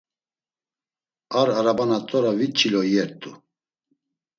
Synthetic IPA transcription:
aɾaɾabanat̪ʼɔɾavit͡ʃʰʼilɔjɛɾt̪ʼu

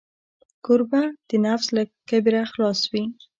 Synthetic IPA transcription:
kʊɾbad̪̥ənafzlakabɾaxlɑswi

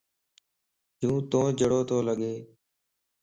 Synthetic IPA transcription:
d͡ʒũːt̪õːd͡ʒəɽoːt̪ʰoːləɠeː

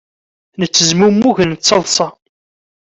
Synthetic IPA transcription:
nət͡sːəzmumːuʝənt͡sːɑlˤsˤɑ

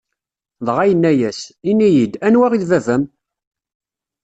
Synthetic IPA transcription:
ðˤʁajənːæjæsinijid̪ænwæʁiðvævæm

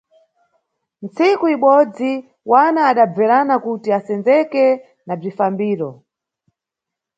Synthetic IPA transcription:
nt͡sikuiɓɔd͡zi | wanaːɗab͡vɛɾanakutiasɛnd͡zɛkɛ | nab͡ʐifambiːɾɔ

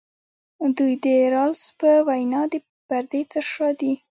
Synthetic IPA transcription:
d̪ujd̪əɾɑlspəwajnɑd̪ə | paɾd̪et̪əʂɑd̪i

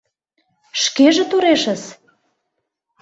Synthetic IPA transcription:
ʃkeʒĕt̪oɾeʃə̆s

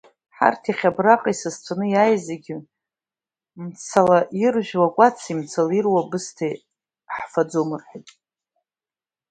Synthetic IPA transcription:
ħa̰rtʰiχʲabraqʼaisɨzt͡sʷʰanɨjajzeɡʲɪ | mt͡sʰalaʔirʒᶣwakʷʼat͡sʰimt͡sʰalirwabɨstʰaj | ħfad͡zomɨrħʷatʼ

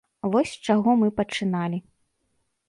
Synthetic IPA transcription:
vɔsʲt͡ʂaɣɔmɨpɐt͡ʂɨnalʲi

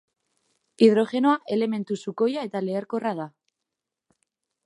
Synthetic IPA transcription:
ið̞ɾo̞ʝe̞noaʔe̞le̞mẽ̞nt̪usuko̞jae̞t̪ale̞ːɾko̞rað̞a

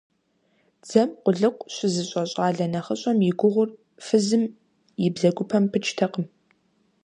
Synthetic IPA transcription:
d͡z̥ɐmqʷʊɮɨqʷɕɪzɨɕʼɐɕʼɑːɮɐnɐχəɕʼɐmjɪɡʷʊʁʷʊr | fɨzɨm | jɪbzɐɡʷʊpʰɐmpʰɨt͡ʃʰʼtʰɐqəm

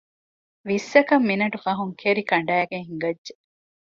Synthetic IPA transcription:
ʋisːɐkɐmːinɐʈufɐɦuŋkʰeɾikɐɳɖæːɡeŋɦiŋɡɐdʒe

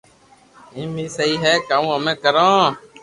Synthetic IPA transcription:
ĩːmĩːsəiːɦɛːkaməmẽːkəɾõː

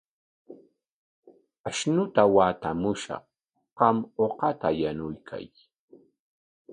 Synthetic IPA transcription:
aʃnʊt̪awaːt̪amʊʃɑ̰χ | qɑmoqɑt̪ajanʊjkʰa̰j

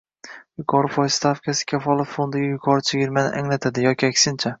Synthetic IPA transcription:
jʊkʰɒɾɪfɒjst̪ʰafkʰʲasɪ̥kʲʰafɒlˠat̪fo̞nd̪ɪɡʲajʊkʰɒɾɪt͡ʃʰeɡʲɪɾmanɪ̰ʔaŋlat̪ʰad̪ɪjɒkʲiakʲsɪnt͡ʃʰa

